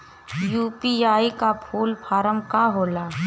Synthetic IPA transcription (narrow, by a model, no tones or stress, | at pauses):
juːpiaːikapʰuːlpʰaːɾəmkaɦoːlaː